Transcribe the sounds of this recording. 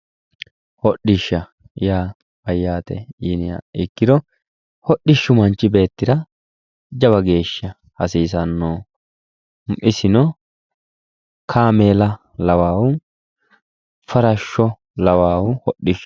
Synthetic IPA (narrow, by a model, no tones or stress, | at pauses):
hɔɗːɪʃːɐ | jaː | bɐjːaːt̪ɛ̰jɪnɪja̰ɪkːɪd̪ɔ | hɔɗːɪʃːʊmɐnt͡ʃːɪbe̞ːt̪ːɪd̪ɐ | d͡ʒɐβɐɡe̞ːʃːɐ | hɐsiːsɐnːoː | ʔɪsɪnɔ | kʰaːmeːlɐ | lɐwaːwʊ | fɐɾɐʃːɔ | lɐwaːwʊhɔɗːɪʃ